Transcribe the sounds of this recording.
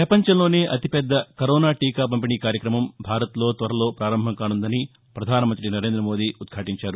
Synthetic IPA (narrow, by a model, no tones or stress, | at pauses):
pɾɐpɐɲt͡ʃɐmlo̞ːne̞ːʔɐt̪ipɛd̪ːɐkɐɾoːnaːʈiːkaːp̬ɐmpiniːkaːɾjɐkɾɐmɐmbʱaːɾɐt̪lo̞ːt̪ʋɐɾɐlo̞ːpɾaːɾɐmbʱɐŋkaːnund̪ɐni | pɾɐd̪ʱaːnɐmɐnt̪ɾinɐɾeːnd̪ɾɐmo̞ːd̪iːut̪̚kʰaːʈiɲt͡ʃaːɾu